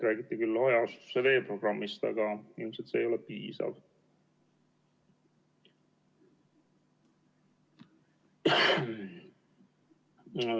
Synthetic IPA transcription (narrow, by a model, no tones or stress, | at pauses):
ɾæːɡit̪ːikylːojɑsu̥sːeve̞ːpro̞ɡ̥rɑmːist̪ɑ̰ɡ̥ɑilmset̪seːjo̞lepiːsɑ̰v